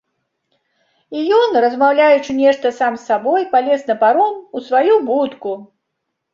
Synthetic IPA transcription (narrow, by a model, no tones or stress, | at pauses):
ijɔnrɐzmawlʲajut͡ʂɨnʲɛʂt̪ɐsamsːabɔjpalʲɛsnɐpaɾɔmusvajubut̪ku